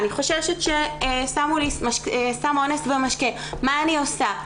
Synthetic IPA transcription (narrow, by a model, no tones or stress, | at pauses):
niχo̞ʃeʃetʃesamulismaʃksamo̞nesvemaʃke | maːnio̞sa